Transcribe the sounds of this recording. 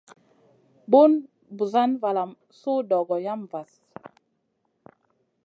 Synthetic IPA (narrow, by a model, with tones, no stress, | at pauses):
bo˦n | bu˨za˦nva˨la˨m | so˦dɔ˨ɡɔ˨ja˦mva˨s